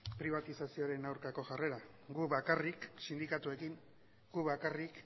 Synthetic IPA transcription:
pɾiβat̪isasio̞ɾe̞nawɾkako̞ʝare̞ɾa | ɡuβakariksind̪ikat̪ue̞kiŋ | ɡ̥uβakarik

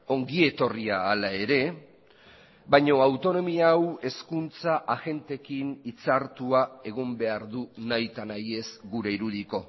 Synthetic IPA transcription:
o̞ŋɡie̞t̪o̞riaːlae̞ɾe̞ | bajɲo̞awt̪o̞no̞miawe̞skunt͡saʔaɣe̞nt̪e̞kinit͡saɾt̪uae̞ɣ̞ombe̞aɾðunajt̪anaje̞sɡuɾe̞iɾuðiko̞

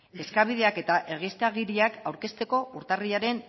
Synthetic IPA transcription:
e̞skaβ̞iðe̞ake̞t̪aʔe̞ɣ̞ist̪eaɣ̞iɾiakawɾke̞st̪e̞ko̞uɾt̪ariaɾe̞n

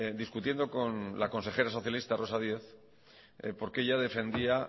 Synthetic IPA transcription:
d̪iskut̪je̞nd̪o̞ko̞nlako̞nse̞xe̞ɾas̬o̞θjalist̪aro̞sað̞je̞θ | po̞ɾkeʝaðe̞fe̞nd̪ia

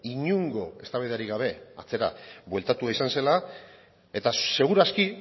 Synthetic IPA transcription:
iɲuŋɡo̞e̞st̪aβiðeaɾiɣaβ̞e̞a̰t͡se̞ɾa̰bwe̞lt̪at̪uaisanse̞la | e̞t̪ase̞ɣ̞uɾaski

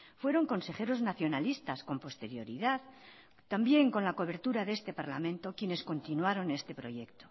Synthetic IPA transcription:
fwe̞ɾo̞ŋko̞nse̞χe̞ɾo̞znaθjo̞nalist̪asko̞mpo̞st̪e̞ɾjo̞ɾiðað | t̪ambje̞ŋko̞nlako̞βe̞ɾt̪uɾaðe̞st̪e̞paɾla̰mẽ̞nt̪o̞kje̞ne̞sko̞nt̪inwaɾo̞ne̞st̪e̞pɾo̞ʝe̞kt̪o̞

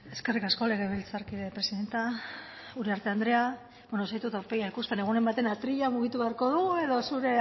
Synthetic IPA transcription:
e̞ske̞rikasko̞le̞ɣ̞e̞βe̞lt͡saɾkiðepɾe̞siðe̞nt̪a | uɾe̞aɾt̪e̞and̪ɾe̞a | benosait̪ut̪aɾpe̞ɣjaikuspe̞ne̞ɣ̞une̞mbat̪enat̪ɾiʎamuɣ̞it̪uβeaɾko̞ðuɣue̞ðo̞suɾe̞

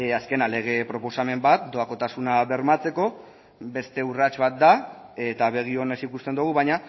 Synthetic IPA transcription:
aske̞nale̞ɣ̞e̞pɾo̞po̞same̞mbat̪̚d̪o̞ako̞t̪asunaβe̞ɾmat͡se̞ko̞ | be̞st̪e̞urat͡ʃβat̪̚d̪ae̞t̪aβe̞ɣ̞io̞ne̞sikust̪e̞nd̪uɣ̞uβajɲa

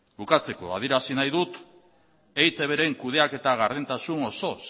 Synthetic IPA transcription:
bukat͡se̞ko̞̰a̰ð̞iɾasinajðut̪ | ejt̪e̞βe̞ɾe̞ŋkuð̞e̞ake̞t̪aɣaɾðint̪asuno̞so̞s

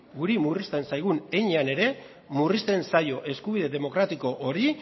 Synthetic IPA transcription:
ɡuɾimurist̪e̞nsajɣ̞une̞ɲeane̞ɾe̞ | murist̪e̞nsajo̞ʔe̞skuβ̞iðe̞ðe̞mo̞kɾat̪iko̞ʔoɾi

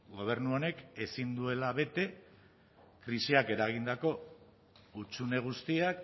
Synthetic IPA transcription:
ɡo̞β̞e̞ɾnuo̞ne̞ke̞sind̪ue̞laβe̞t̪e̞ | kɾisiake̞ɾaɣ̞ind̪ako̞ | ut͡sune̞ɣ̞ust̪iak

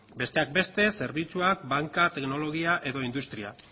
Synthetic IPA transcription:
be̞st̪e̞ak̚be̞st̪e̞se̞ɾβit͡suak̚baŋkat̪e̞kno̞lo̞ɣiaʔe̞ðo̞ind̪ust̪ɾia̰

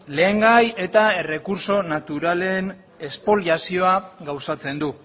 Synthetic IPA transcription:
le̞ːŋɡaje̞t̪ae̞re̞kuɾso̞nat̪uɾale̞n | e̞spo̞ljasio̞aɡawsat͡se̞nd̪u

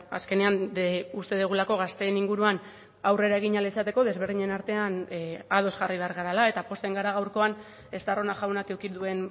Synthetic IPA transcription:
a̰ske̞ne̞anust̪e̞ðuɣulako̞ɣ̞ast̪e̞ːniŋɡuɾuan | awre̞ɾae̞ɣ̞iɲalesat̪e̞ko̞ðe̞zβ̞e̞ɾðiɲe̞naɾt̪e̞anað̞o̞sʝariβ̞e̞aɾɣaɾalae̞t̪apo̞st̪e̞ŋɡaɾaɣ̞awɾko̞an | e̞st̪aro̞naʝawnake̞wkid̪ue̞n

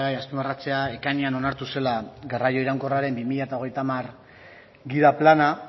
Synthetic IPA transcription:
ɣajaspimarat͡se̞ae̞kaɲeano̞naɾt̪use̞laɡarajo̞iɾaŋko̞raɾe̞mbimiʎaet̪ao̞ɣ̞e̞jt̪amar | ɡiðaplana

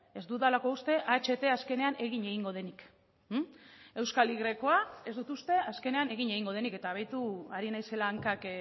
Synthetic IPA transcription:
e̞zd̪uðalako̞ust̪e̞ʔat͡ʃe̞t̪e̞aske̞ne̞ane̞ɣiɲe̞ɣiŋɡo̞ð̞e̞nik | e̞wskaliɣɾe̞ko̞ae̞zd̪ut̪ust̪e̞aske̞ne̞ane̞ɣiɲe̞ɣ̞iŋɡo̞ðe̞nike̞t̪aβ̞ajt̪uaɾinajse̞laːŋkak

